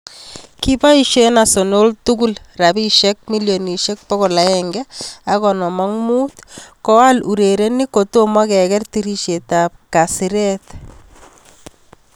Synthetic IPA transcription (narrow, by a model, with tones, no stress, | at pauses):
ki˦pa˦i˦ʃe˦na˨so˨no˦ltuɡu˦lra˨bi˦ʃɛ˦k̚mi˦ljo˨ni˨ʃɛ˦k̚pɔ˦ɣɔ˨la˨ɛŋɡɛa˨ɣɔ˨nɔ˨ma˦ŋmu˦tkɔ˦wa˦lu˨ɾe˨ɾɛni˦ko˨to˦ma˦kɛ˨ɡɛ˦rti˦ɾi˦ʃe˨ta˨p̚ka˨si˨ɾɛt̪